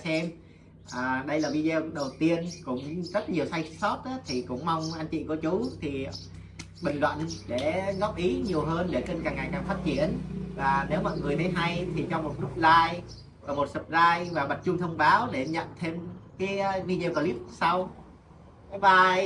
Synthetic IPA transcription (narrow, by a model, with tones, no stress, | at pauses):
sɛ˧m | ʔaː˨˩ɗə˧jlaː˨˩vi˧ze˧ɗə˨˩wt̪i˧ənkʊ̰˧˥ŋ͡mzə˦˥t̚ɲi˨˩əwsa˧jsɔ˦˥t̚ʔaː˨˦t̪ʰi˨˩kʊ̰˧˥ŋ͡mma˧wŋ͡mʔaː˧nt͡ɕḭ˧˨ku˧˩ət͡ɕu˨˦t̪ʰi˨˩ | ɓï˨˩ŋ̟lwa̰ː˧˨nɗe˧˩ɣɔ˦˥p̚ʔi˨˦ɲi˨˩əwɦəː˧nɗe˧˩ke˧nkaː˨˩ŋa˨˩jkaː˦˥k̚faː˦˥t̚t͡ɕi˧˩ənvaː˨˩ne˨˦wmɔ̰˧˨jŋɨ˨˩əjt̪ʰə˨˦ɦa˧jt̪ʰi˨˩t͡ɕɔ˧mo˨˩t̚zʊ˦˥p̚laː˧jː | mo˨˩t̚sə˨˩p̚laː˧jvaː˨˩ɓa˨˩t̚t͡ɕʊ˧ŋ͡mt̪ʰə˧wŋ͡mɓaː˨˦wɗe˧˩ɲə̰˧˨nt̪ʰe˧mkaː˨˦jvi˧ze˧wkɔ˧li˦˥p̚sa˧w | ka˨˦ɓaː˨˩